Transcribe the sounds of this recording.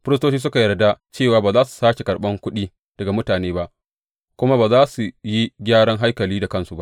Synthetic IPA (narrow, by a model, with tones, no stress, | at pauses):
ɸɪ˦ɾɪ˦stoː˦t͡ʃiː˦s̬ʊ˦ka˨jɐ˨rda˦t͡ʃeː˦˨waː˨baː˨zaː˦su̥˨saː˦ʃe˨kɐ˨ɽɓɐ˦ŋkʷʊ˦ɗiː˦ | d̥ɐ˨ɡa˨mʊ˦taː˨neː˦ba˦ʔ | kʷʊ˦ma˦baː˨zaː˦su˨ji˦ɡʲaː˦ɽɐ˦ŋɦa˦jkɐ˨liː˦da˨kɐ˦nsu˨ba˦ʔ